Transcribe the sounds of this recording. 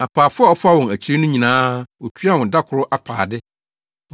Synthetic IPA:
a˨pʰaː˨fʊ˦a˦˨ɔ˦fʊ˦a˦˨wɔ̃˨næ˨t͡ɕʰɾɪ˦nʊ̃˦ɲĩ˨nãː˦wɔ˨tʰɥa˦˨wɔ̃˨da˦kʰʊ˨ɾʊ˦ʔa˨pʰa̰ː˨dɪ˦

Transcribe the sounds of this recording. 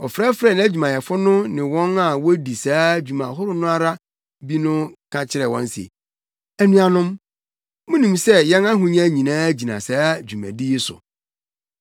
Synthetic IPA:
ɔ˨fɾa˦fɾɛ˦˨ñ˨˦æ˦d͡ʑᶣu˨mã˨jɛ˨fʊ˦nʊ̃˦nɪ̃˨wɔ̃˦na˨wɔ˦di˨saː˨˦d͡ʑᶣu˨mã˨ɦʊ˦ɾʊ˦nʊ̃˦a˦ɾa˦ | bi˦nʊ̃˦kʰã˦t͡ɕʰɪ˦ɾɛ˨wɔ̰̃˦n˦si˨ḛ˨ | æ˨nũ˦a˨nʊ̃˦m | mʊ̃˦nĩ˨msɛ˦jɛ̃˦nã˦ɦʊ̃˨ɲã˦ɲĩ˨nãː˦d͡ʑi˨nã̰˨saː˦d͡ʑᶣu˨mæ̰̃˨di˦jɛ˦sʊ̰˨

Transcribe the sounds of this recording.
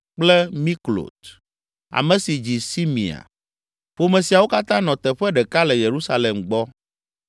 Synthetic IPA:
k͡plɛ˦mĩ˦klo̰˨t̪ | a̰˨mẽ˨si˨d͡ʑi˨si˦mḭ̃˨a̰˨ | ɸo˦mẽ˨si˨a˨wo˦ka˦t̪ã˦nɔ̃˨t̪ɛ˨ɸɛ˦ɖɛ˨ka˦lɛ˨je˨ɾu˦sa˦le˨mɡ͡bɔ˦

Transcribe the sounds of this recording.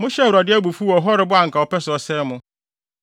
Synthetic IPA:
mʊ̃˦ɕɛ˦˨wɾa˨dɪ˦æ˦bu˨fu˦ɔ˨ɦɔ˦ɾɪ˨˦bʊ˦a˨ŋ̩˨kʰa˨ɔ˦pɛ˦sʊ˨ɔ˨sɛ˦mʊ̃˦

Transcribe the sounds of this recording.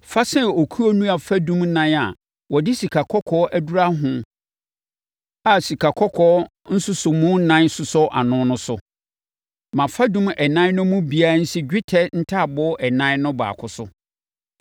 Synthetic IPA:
fa˦sɛ̃˦o˨kʰu˦o˦nũ˦a˨fa˦dũ˦m˦nã˦na̰˨ | wɔ˨dɪ˦si˨kʰa˨kʰɔ˦kʰɔ˦ʔæ˦du˦ɾa˦ɦʊ̃˦ | a˨si˨kʰa˨kʰɔ˦kʰɔː˦ | n̩˦sʊ˦sʊ˨mʊ̃˦nã˦n˦sʊ˨sɔ˦ʔa̰˨nʊ̃˦nʊ̃˦sʊ˦ | mã˨fa˦dũ˦mɛ˨nã˦nʊ̃˦mʊ̃˦bi˨a˦n̩˦sɪ˦d͡ʑᶣɪ˦tʰɛ˦n̩˦tʰa˦˨bɔ˦ʔɛ˨nã˦nʊ̃˦ba̰ː˨kʰʊ˨sʊ˦

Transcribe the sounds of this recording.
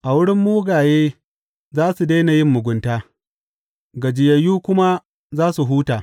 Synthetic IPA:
ʔa˨wʊ˦ɽɪ˦mːuː˦ɡaː˨jeː˦ | zaː˦su˨de˦na˨jɪ˦mːʊ˨ɡʷʊ˦ntaː˦ | ɡɐ˨d͡ʒɪ˨jɐ˨jːuː˦kʷʊ˦ma˦ | zaː˦su˨ɦuː˦taː˨

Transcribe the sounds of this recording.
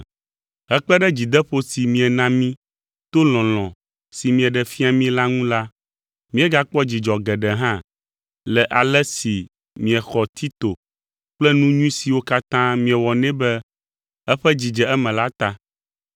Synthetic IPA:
ɦɛ˦k͡pɛ˦ɖɛ˦d͡ʑi˨d̪ɛ˦ɸo˦si˨mĩ˨ɛ˨nã˦mĩ˦ | t̪o˦lɔ̃˨l̃ɔ̃˨ | si˨mĩ˨ɛ˨ɖɛ˨fi˦a˨mĩ˦la˦ŋũ˦la˦ | mĩ˦ɛ˦ɡa˦k͡pɔ˦d͡ʑi˨d͡ʒɔ˨ɡɛ˨ɖɛ˨ɦã˦ | lɛ˨ʔa˨lɛ˦si˨ | mĩ˨ɛ˨xɔ˨t̪ʰi˦t̪o˨ | k͡plɛ˦nũ˦ɲũ˦ĩ˦si˨wo˦ka˦t̪ã˦mĩ˨ɛ˨wɔ˨nɛ̃˦bɛ˦ | ɛ˦ɸɛ˦d͡ʑi˨d͡ʒɛ˨ɛ˦mɛ̃˨la˦t̪a˦

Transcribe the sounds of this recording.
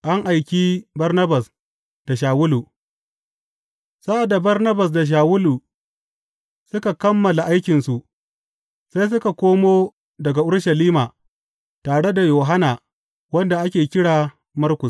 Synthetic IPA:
ʔa˦ŋʔa˨jkʲi˦bɐ˦rnɐ˦bɐ˨s | d̥a˨ʃ̬aː˨wʊ˦lu˨ | sa˦ʔa˨da˨bɐ˦rnɐ˦bɐ˨s̬da˨ʃ̬aː˨wʊ˦lu˨ | sʊ˦ka˨kɐ˦mːɐ˨la˨ʔa˦jkʲɪ˨nsu˨ʔ | sa˦js̬ʊ˦ka˨kʷoː˦moː˦ | dɐ˨ɡa˨ʔʊ˦ɽʃɐ˨liː˦maː˨ | taː˨ɽe˦da˨joː˨ɦa˦naː˨ | wɐ˦nda˨ʔa˦kʲeː˨kʲɪ˦ɽaː˨ | mɐ˦rkʷʊ˨

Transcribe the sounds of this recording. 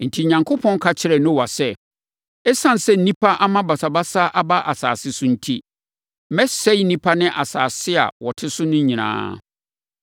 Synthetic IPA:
n̩˨tʰi˨ɲã˨ŋkʰʊ˦pʰɔ̃˦n˦kʰa˦t͡ɕʰɪ˦ɾɛ˨nʊ̃˦˨wa˨sɛ˦ | ɛ˦sã˦n˨sɛ˦˨n̩˨nĩ˦pʰa˦ʔa˦mã˦ba˨sa˨ba˦sa˦ʔa˦ba˦ʔa˨saː˨sɪ˦sʊ˦n̩˦tʰi˦ | mɛ˦sɛ˦jnĩ˦pʰa˦nɪ̃˦ʔa˨saː˨sɪ˦a̰˨wɔ˨tʰɪ˦sʊ˦nʊ̃˦ɲĩ˨nã̰ː˦

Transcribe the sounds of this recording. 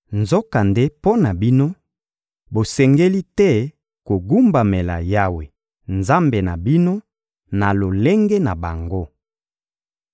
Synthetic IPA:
nzo˦ka˨nde˦po˦na˨bi˦no˦ | bo˨sɛ˨ŋɡe˦li˦tɛ˦˨ | ko˨ɡu˦mba˨me˨la̰˨ja˦we˨ | nza˦mbe˨na˨bi˦no˦ | na˨lo˨le˦ŋɡe˦na˨ba˨ŋɡo˦

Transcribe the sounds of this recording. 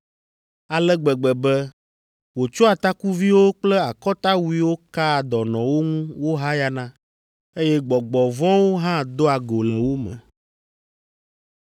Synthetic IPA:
a˨lɛ˦ɡ͡bɛ˨ɡ͡bɛ˨bɛ˦ | wo˨t͡ʃɔ˦a˨t̪a˦ku˦vi˦wo˦k͡plɛ˦a˨kɔ˦t̪a˦wu˨˦i˦wo˦ka˦˨d̪ɔ˨nɔ̃˨wo˦ŋũ˦wo˦ɦa˦ja˦nã˦ | e˦jɛ˦ɡ͡bɔ˨ɡ͡bɔ˨vɔ̃˦wo˦ɦã˦d̪o˦a˨ɡo˨lɛ˨wo˦mɛ̰̃˨

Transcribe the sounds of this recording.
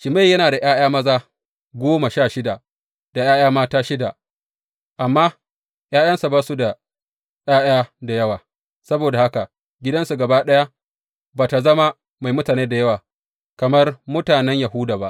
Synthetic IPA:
ʃɪ˨ma˦˨jɐ˦naː˨da˨j̰aː˦j̰aː˦mɐ˦zaː˦ | ɡʷoː˦ma˨ʃaː˦˨ʃɪ˦da˨ | d̥a˨jaː˦jaː˦maː˦taː˦ʃɪ˦da˨ | ʔa˨mːaː˦ | j̰aː˦j̰ɐ˦nsa˨bɐ˦su˦da˨ | jaː˦j̰aː˦da˨jɐ˦waː˨ | sɐ˦boː˨da˨ha˦ka˨ | ɡʲɪ˦dɐ˦nsu˨ɡɐ˨baː˦ɗɐ˦ja˦ | baː˨ta˨zɐ˦ma˦ | ma˨jmʊ˦taː˨neː˦da˨jɐ˦waː˨ | kɐ˨mɐ˦rmʊ˦taː˨nɛ˦ɲja˨ɦʊ˦daː˨ba˦ʔ

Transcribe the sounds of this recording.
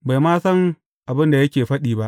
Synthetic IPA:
ba˨jmaː˦sɐ˦ŋ | ʔa˨bɪ˦nda˨jɐ˦kʲeː˨ɸɐ˦ɗiː˨ba˦ʔ

